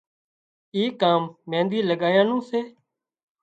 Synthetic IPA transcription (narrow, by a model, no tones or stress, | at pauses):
iːkːaːmːẽːnd̪iːləɠaːjãːnũːseː